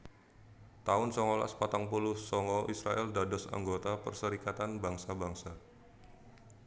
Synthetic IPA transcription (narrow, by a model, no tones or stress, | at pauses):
t̪aʊnsɔŋɔla̰spat̪aŋpulʊhsɔŋɔʔisɾa̰ʔɛldadɔsa̰ŋɡot̪apə̰rsəɾikat̪anbaŋsabaŋsa